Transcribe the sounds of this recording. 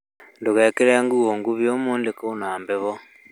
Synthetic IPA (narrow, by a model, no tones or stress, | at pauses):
nduɣɛkeɾeaŋɡuɣoŋɡuβjomuːndekounaːmbɛβɔ